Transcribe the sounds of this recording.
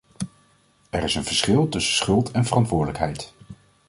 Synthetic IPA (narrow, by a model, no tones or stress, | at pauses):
ɛɾɪsənvəɹsχɪlˠtɵsəsχɵlˠtʰɛnvərɑntʋʊːɹdələkɦɛjt